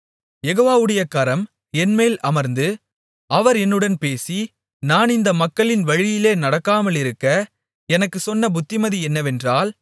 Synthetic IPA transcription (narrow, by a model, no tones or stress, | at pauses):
jɛɣoːʋaːʋɯɽɐjɐkɐɾɐm | ɛnmeːlʔɐmɐɾnd̪ɯ | ɐʋɐɾɛnːɯɽɐnpeːsi | naːnɪnd̪ɐmɐkːɐɭɪnʋɐɻɪjɪleːnɐɽɐkːaːmɐlɪɾɯkːɐ | ɛnɐkːɯsɔnːɐbʊt̪ːɪmɐðiɛnːɐʋɛndraːl